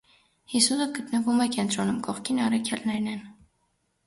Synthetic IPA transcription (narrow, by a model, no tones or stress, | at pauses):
hisusəɡət̪nəvumɛkɛnt̪ɾɔnumkɔχkʰinɑrɑkʰjɑlnɛɾnɛn